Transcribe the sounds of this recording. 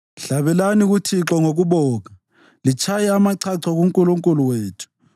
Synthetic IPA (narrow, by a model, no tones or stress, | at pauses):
ɬaβɛlaniɣutʰiǁɔŋoɣuβɔːka | lit͡ʃʰajɛamaǀʰaǀʰɔɣuŋkʼuluŋkʼuluweːtʰu̥